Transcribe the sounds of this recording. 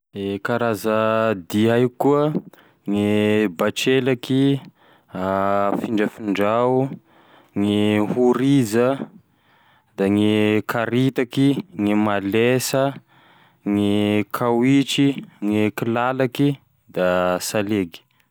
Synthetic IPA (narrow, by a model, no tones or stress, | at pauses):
ekaɾazəd̪iajkuə | ŋibaʈ͡ʂelaki | afiɳɖ͡ʐəfiɳɖ͡ʐa | ŋihuɾizə | d̪̥aŋikʰaɾit̪akiŋimalesə | ŋikʰawit͡ʃiŋikilalaki | d̪asaleɡi̥